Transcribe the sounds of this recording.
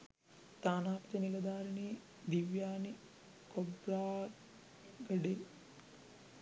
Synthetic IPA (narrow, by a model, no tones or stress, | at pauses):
t̪aːnaːpɐt̪ɐnilɐd̪aːɾɐɳiː | d̪iʋjaːni | kobɾaː | ɡəɖen